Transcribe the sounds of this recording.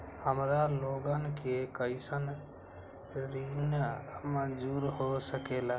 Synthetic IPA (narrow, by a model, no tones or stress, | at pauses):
həmɾaloɡənkekəɪsən | ɾinəmə̃d͡ʒuɾɦosəkela